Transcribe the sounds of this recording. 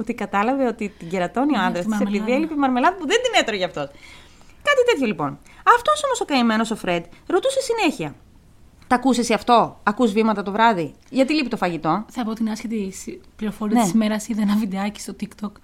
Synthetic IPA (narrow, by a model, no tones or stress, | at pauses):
ot̪ikɐt̪ɐlɐveo̞t̪it̪iɟeɾɐt̪o̞nio̞ɐnd̪ɾɐsiseepiðielipimɐɾme̞lɐðpuðend̪inet̪eɾoʝɐft̪o̞s | kɐt̪it̪e̞t̪çolipo̞n | ɐft̪o̞so̞mo̞so̞kɐime̞no̞so̞fɾe̞d̪ɾo̞t̪usesine̞çiɐ | t̪ɐkusesiɐft̪o̞ɐkuzvimɐt̪ɐt̪o̞vɾɐði | ʝɐt̪ilipit̪o̞fɐʝit̪o̞θɐpot̪inɐscet̪ispliɾofoɾiɐnet̪isimeɾɐsiðenɐvid̪eɐci̥st̪ot̪ikt̪ok